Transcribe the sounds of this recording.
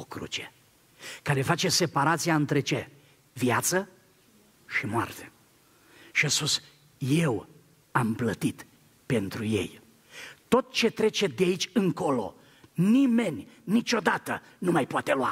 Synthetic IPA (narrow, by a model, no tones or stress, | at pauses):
okɾṵt͡ʃe | kaɾe̞fat͡ʃe̞se̞paɾat̪sijaɨnt̪ɾe̞t͡ʃe̞ | vjat̪sə | ʃimoa̰rt̪e | ʃiaspus | je̞w | amplət̪it̪ | pe̞nt̪ɾuje̞̰j | t̪o̞t̪̚t͡ʃe̞t̪ɾe̞t͡ʃe̞d̪eait͡ʃʲɨŋko̞lo̞̰ | nime̞nʲːit͡ʃʲo̞d̪at̪ə | numajpoat̪e̞loa̰